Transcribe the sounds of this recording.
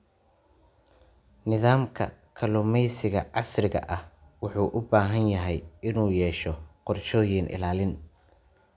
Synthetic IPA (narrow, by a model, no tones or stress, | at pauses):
nɪðaːmkʰɐ̰kʰɐlʊmɛjsɪɣɐʕɑsrɪɣɐ̰ʔɐhwɑħuːʔʊbaːɦɐnjɐɦɛjɪnuːjɛːʃɔqɔrʃɔːjɪnʔɪ̰laːlɪn